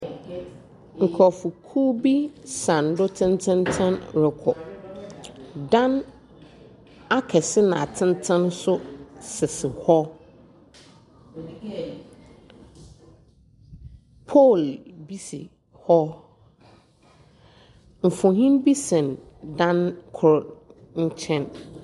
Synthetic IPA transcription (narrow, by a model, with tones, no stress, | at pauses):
ŋ̩˨kʰɔ˨fʊ˨kʰuː˦bi˦sã˨n˨˦dʊ˦tʰɪ̃˦ntʰɪ̃˦ntʰɛ̃˦nɾɪ˨kʰɔ̰˨ | dã˦n | a˦kʰɛ˨sɪ˦nã˨tʰɪ̃˦n˦tʰɛ̃˦nsʊ˦sɪ˨sɪ˨hɔ˦ | pʰɔ˦˨lbi˦sɪ̰˨ | hɔ˦ | m̩˨fʊ̃˨ɦĩ˦nbi˦sɛ̃˨n | dã˦nkʰɾɔ˨ | ɲ̩˦t͡ɕʰɛ̃˦n